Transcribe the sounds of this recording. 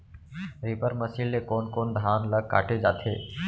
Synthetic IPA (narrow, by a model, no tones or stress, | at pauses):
ɾipəɾməsiːlːekoːnkoːnd̪ʱaːnləɡ̚ka̰ːʈʰed͡ʒaːt̪ʰeː